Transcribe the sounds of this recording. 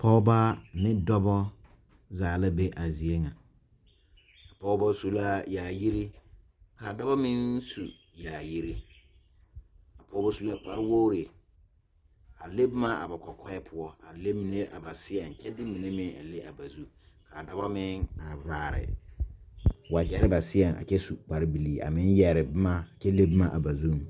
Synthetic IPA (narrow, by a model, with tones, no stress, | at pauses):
pʰɔ˦ba˦nɪ˦dɔ˦bɔ˦ | zaː˨la˦be˦ʔa˨zi˨e˦ŋa˨ | a˨pɔ˦ba˦su˨la˦jaː˨ji˦ɾi˦ | ka˨dɔ˦ba˦mɪ̃˦nsṵ˨ | ja˨ji˦ɾi˦ | a˨pʰɔ˦ba˦su˦la˦k͡pa˦ɾɪ˦wo˦ɾi˨e˨ | a˨le˦bma˦a̰˨ba˨kʷɔ˨kʰɔ˦ɛ˦pʰʊ˦ɔ˦a˨le˦mi˨ne˦ʔa˨ba˨sɪ˦ɛ˨n˨t͡ʃɛ˦dɪ˦mi˨ne˦mɪ̃˦ŋa̰˨le˦ʔa̰˨ba˨zu˦ka˨da˨ba˦mɪ˦ŋa˨vaː˨ɾɪ̰˨ | wa˨d͡ʒɛ˦ɾɪ˦ba˨sɪ˦ɛ˨ŋa̰˨t͡ʃɛ˦su˨k͡pa˨ɾɪ˦bi˨liː˦ʔa̰˨mɪ˦n˦jɛ˨ɾɪ˨bma˦˨t͡ʃɛ˦le˦bma˦ʔa˨ba˨zu˦˨m˨